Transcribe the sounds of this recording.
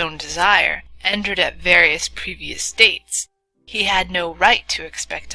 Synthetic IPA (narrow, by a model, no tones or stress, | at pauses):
õʊ̃ndɨzaɪə̰˞ʔɛ̃ntə˞ɾɨ̰tvɛɹiɨspʰɹ̥iviɨ̰steɪts | hiɨdⁿnoʊɹaɪtʰɨɨkspɛk̚t